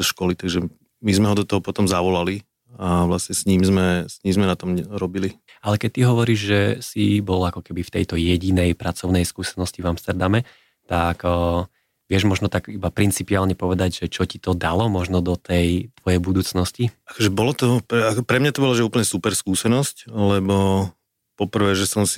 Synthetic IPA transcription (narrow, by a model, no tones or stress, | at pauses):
ʃkɔlit̪aɡʒɛ | mizmɛɦɔd̪ɔt̪ɔɦɔpɔt̪ɔmzaʋɔlali | aʋlasɲɛsɲiːmzmɛsɲiːmzmɛnat̪ɔmɾɔbili | alɛkɛc̚t̪iɦɔʋɔɾiːʒʒɛsibɔlakɔkɛbift̪ɛjt̪ɔjɛɟinɛjpɾʔat͡sɔʊnɛjskuːsɛnɔscivamst̪ɛɾd̪amɛ | t̪akː | ʋɪɛʒmɔʒnɔt̪aɡibapɾint͡sipiaːlɲɛpɔʋɛd̪aɟʒɛt͡ʃɔcit̪ɔd̪alɔmɔʒnɔd̪ɔt̪ʰɛjt̪ʋɔjɛjbud̪uːt͡snɔsciakɔʒɛbɔlɔt̪ɔpɛakpɾɛmɲat̪ɔbɔlaʒɛuːpl̩ɲɛsupɛɾskuːsɛnɔsclɛbɔ | pɔpr̩ʋɛːʒɛsɔmsi̥